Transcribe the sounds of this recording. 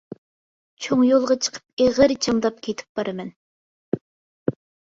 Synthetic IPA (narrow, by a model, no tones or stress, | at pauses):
t͡ʃʰoŋjolˠʁɑt͡ʃʰə̥qʰə̥p̚eʁəɾt͡ʃʰɑŋd̪ɑp̚kʲʰet̪ʰɪ̥p̚b̥ɑɾɨmɛn